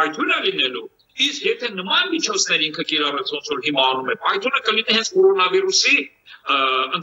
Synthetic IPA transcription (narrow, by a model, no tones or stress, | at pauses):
jt̪ʰunəlinɛlu | iskjɛt̪ʰɛnəmɑnmit͡ʃʰɔt͡sʰnɛɾiŋkʰəkiɾɑrɛt͡sʰvɔnt͡sʰvɔɾɦimɑːnumɛɾpɑjt̪ʰunəkəlinihɛnt͡sʰkɔɾɔnɑvirusi | ən